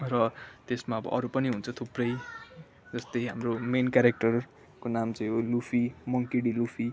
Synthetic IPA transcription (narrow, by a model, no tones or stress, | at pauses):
rʌt̪esmaʌbʌ̰ʔʌɾupʌniɦunt͡sʰʌt̪ʰuprʌj | d͡zʌst̪ʌjɦamromenkjaɾek̚ʈʌr | konamt͡sʌ̃j̃ɦolupʰimʌŋkiɽilupʰi